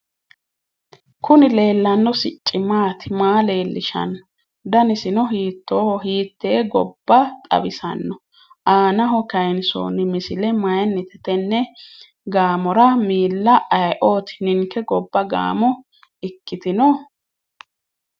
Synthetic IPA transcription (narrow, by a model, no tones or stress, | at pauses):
kʊnɪle̞ːlːɐnːɔsɪt͡ʃʼːɪmaːt̪ɪmaːle̞ːlːɪʃɐ̰nːɔ | d̪ɐnɪsɪnɔɦiːt̪ːoːhɔɦiːt̪ːeːɡɔbːɐt̪ʼɐ̰bɪsɐ̰nːɔ | ʔaːnɐɦɔkɐjnso̰ːnɪmɪsɪlɛmɐjɐnːɪt̪ɛt̪ɛnːɛ | ɡaːmɔɾɐmiːlːɐʔɐjʔo̞ːt̪ɪ̥nɪŋkɛɡɔbːɐɡa̰ːmɔ | ɪkːɪt̪ɪnɔ